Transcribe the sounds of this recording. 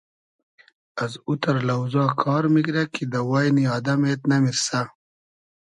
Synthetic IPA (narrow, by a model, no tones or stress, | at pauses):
ɐzut̪ɐɾlɐwzɑːkʰɑːɾmikɾɐkʰid̪ɐwaːjniaːd̪ɐmeːt̪nɐmiɾsa